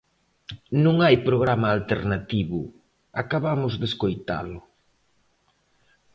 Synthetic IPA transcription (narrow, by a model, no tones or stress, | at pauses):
nũŋajpɾoɣɾamaːlt̪eɾnat̪iβʊ̰ | akaβamʊzðeskojt̪a̰lʊ